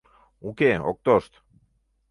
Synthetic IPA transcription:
ukeok̚t̪ost̪

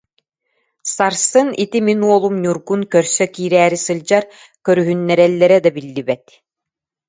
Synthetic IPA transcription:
saɾsɯnit̪iminuɔlˠumɲuɾɡunkœɾsœkiːɾæːɾisɯld͡ʑaɾ | kœɾyɦynːɛɾɛlːɛɾɛd̪abilːibɛt̪

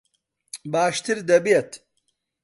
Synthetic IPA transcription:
baːʃt̪iɾd̪ɐbijɐt̪ʰ

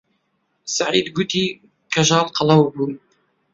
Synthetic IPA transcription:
saʕid̪ɡʊt̪i | kaʒalqɑlɑwbu

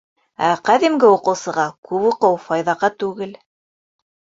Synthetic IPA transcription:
æqæðimɡɘuqɤ̆wsɤ̆ʁɑkʉpuqɤwfɑjðɑʁɑt̪ʉɡɘl

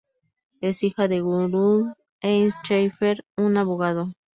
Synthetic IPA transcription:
besixaðeɣuɾu | enst͡ʃejfeɾunaβoɣaðo

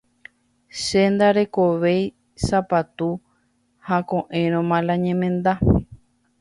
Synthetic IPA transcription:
ʃend̪aɾe̞koʋe̞j | sapat̪u | hakõʔẽɾ̃õmãlãɲẽmẽnd̪a

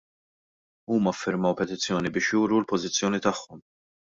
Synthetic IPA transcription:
uːmɐfːɪɾmɐwpɛt̪ɪt͡sːjɔːnibɪːʃjuːɾulpɔzɪt͡sːjɔːnit̪ɐħːɔm

